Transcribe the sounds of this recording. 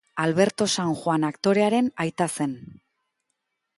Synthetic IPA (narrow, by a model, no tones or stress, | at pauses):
alβe̞ɾt̪o̞saŋxwanakt̪o̞ɾe̞aɾe̞najt̪ase̞n